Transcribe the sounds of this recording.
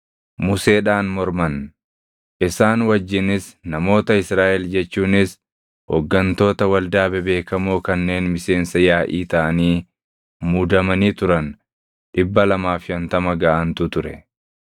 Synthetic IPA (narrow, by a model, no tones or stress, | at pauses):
mʊse̞ːᶑaːnmɔɾmɐn | ʔɪsaːnwɐd͡ʒːɪnɪsnɐmo̞ːt̪ɐɪsɾaːʔɛld͡ʒɛt͡ʃːuːnɪs | hɔ̰ɡːɐnt̪o̞ːt̪ɐwɐld̪aːbɛbe̞ːkɐmoːkɐnːe̞ːnmɪse̞ːnsɐjaːʔiːt̪ɐʔɐniː | muːd̪ɐmɐniːt̪ʊɾɐn | ᶑɪbːɐlɐmaːfjɐnt̪ɐmɐɡaːʔɐnt̪ʊt̪ʊɾɛ